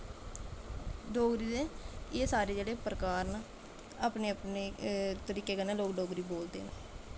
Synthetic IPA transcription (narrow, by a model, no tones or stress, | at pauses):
ɖoːɡɾiːd̪eːeːsaːɾeːd͡ʒeːɽeːpəɾəkaːɾna | aːpneːəpneːt̪əɾiːkeːkəneːloːkɖoːɡɾiːboːld̪ḛːn